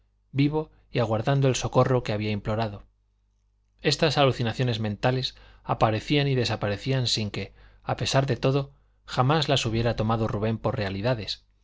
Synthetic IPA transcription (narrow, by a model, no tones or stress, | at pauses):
biβ̞o̞ | iaɣwaɾðand̪oe̞lso̞ko̞ro̞ke̞aβ̞iaimplo̞ɾaðo̞ | e̞st̪asaluθinaθjo̞ne̞zmẽnt̪ales | apaɾe̞θianiðe̞sapaɾe̞θiansiŋke̞ape̞saɾðe̞t̪o̞ðo̞ | xamazlasuβ̞je̞ɾat̪o̞maðoruβ̞e̞mpo̞rre̞aliðaðe̞s